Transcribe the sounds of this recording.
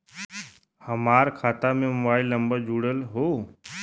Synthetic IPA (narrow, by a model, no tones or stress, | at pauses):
həmaːɾkʰaːt̪amẽmʊbaːɪlːə̃mbəɾd͡ʒuːɽəlɦoː